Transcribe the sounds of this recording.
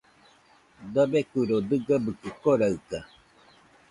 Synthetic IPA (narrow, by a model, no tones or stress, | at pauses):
d̪əbekuɾod̪ɨɡabɯkɨkoɾaɯka